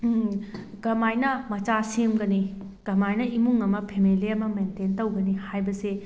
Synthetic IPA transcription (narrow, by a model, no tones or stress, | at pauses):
ɡɐmajnɐmɐt͡ʃasemɡɐni | ɡ̥ɐmajnɐimuŋɐmɐpʰemeliɐmɐmententɐwɡɐnihajbɐse